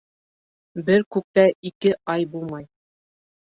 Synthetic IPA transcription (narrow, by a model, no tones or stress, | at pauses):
bɘɾkʉk̚t̪æikɘʔɑjbulˠmɑj